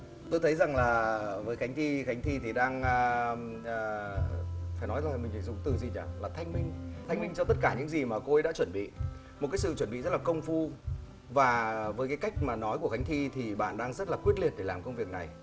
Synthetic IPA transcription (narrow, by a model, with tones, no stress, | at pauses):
t̪o˧jt̪ʰə˨˦jza˨˩ŋlaː˨˩vəː˨˦jxa˨˦ŋ̟t̪ʰi˧xa˨˦jŋ̟t̪ʰi˧t̪ʰi˨˩ɗaː˧ŋː˧˨˧ | faː˧˩jnɔ˨˦jzaː˨˩˨mï˨˩ŋi˧˩zʊ̰˧˨ŋ͡mt̪ɨ˨˩zi˨˩ɲa̰ː˧˩laː˨˩t̪ʰjŋmï˧ŋ̟t̪ʰa˧jŋ̟mï˧ŋ̟t͡ɕɔ˧t̪ə˦˥t̚kaː˧˩ɲɨ̰˧˥ŋzi˨˩maː˨˩ko˧jɗa̰ː˧˥t͡ɕwə˧˩nɓḭ˧˨ | mo˨˩t̚kaː˨˦jsɨ̰˧˨t͡ɕwə˧˩nɓḭ˧˨zə˦˥t̚laː˨˩kə˧wŋ͡mfu˧ | vaː˨˩vəː˨˦jkaː˨˦jka˦˥jk̟̚maː˨˩nɔ˨˦jku˧˩əxa˨˦ŋ̟t̪ʰi˧t̪ʰi˨˩ɓa̰ː˧˨nɗaː˧ŋzə˦˥t̚laː˨˩kwi˦˥ət̚li˨˩ət̚ɗe˧˩laː˨˩mkə˧wŋ͡mvi˨˩ək̚na˨˩j